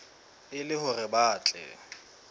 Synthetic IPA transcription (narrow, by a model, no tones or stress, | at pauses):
ɪlɪhʊrɪbaːt͡ɬʼɛ̰